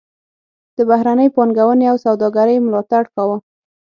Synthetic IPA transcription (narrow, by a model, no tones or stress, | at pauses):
d̪̥əbahɾanəjpɑnɡawəneawsawd̪ɑɡaɾəjmlɑt̪aɽkawə